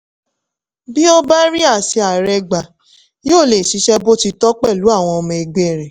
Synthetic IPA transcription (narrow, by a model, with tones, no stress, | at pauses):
bi˦o˦ba˦ɾi˦a˦˨si˧a˨ɾɛ˧ɡ͡ba˨ | joː˦˨le˨ʃi˨˧˦ʃɛ˦bo˦ti˧tɔ˦k͡pɛ˦˨lu˨˦a˦˨w̃ɔ̃˧ɔ˧mɛ̃˧e˧ɡ͡be˦˨ɾɛ˨